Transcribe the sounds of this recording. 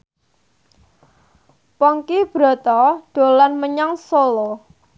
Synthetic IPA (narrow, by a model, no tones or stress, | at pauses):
pɔŋkib̥ɾɔ̤t̪ɔɖ̥o̤lanməɲaŋsolo